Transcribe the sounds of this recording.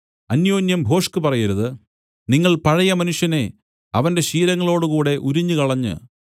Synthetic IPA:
ɐnjoːnjɐmbʱo̞ːʂkɨpɐrɐjɐɾuðɨ | niŋːɐɭpɐɻɐjɐmɐnuʂjɐne̞ | ɐʋɐnde̞ɕiːɾɐŋːɐɭo̞ːɽukuːɽe̞ʔuɾiɲːɨkɐɭɐɲːɨ̰

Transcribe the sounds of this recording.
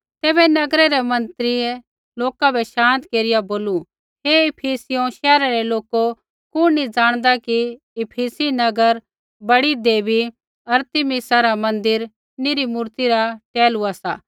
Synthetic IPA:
t̪ɛːβɛnɐɡɾɛɾɛmɐ̃nt̪ɾie | loːkabʱɛʃãːnt̪keːɾɪjaboːlu | ɦeɪpʰiːsɪjõʃɛːɾaɾɛloːko | kʊ̃nid͡ʒaːɽ̃d̪aki | ɪpʰiːsinɐɡəɾ | bɐɽid̪eːbi | ɐɾt̪ɪmɪsaɾamɐ̃nd̪ɪɾ | nɪɾimuːɾt̪iɾaʈɛːluasaː

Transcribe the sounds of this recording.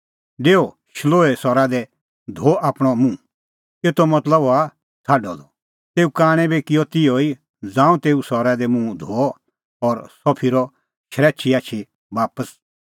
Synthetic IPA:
ɖeːo | ʃloːɛsɔɾad̪ɛ | d̪ʱoʔaːpɽ̃ɔmũ | eːt̪ɔmɐt̪ləba | t͡sʰaːɖɔd̪ɔ | t̪eːukaːɽ̃ɛ̃bekɪjɔt̪ɪjoi | d͡zãːũt̪eːusɔɾad̪ɛmũd̪ʱo | ɔɾsɔpʰiɾɔ | ʃɾɛːt͡ʃʰiaːt͡ʃʰi | baːpəs

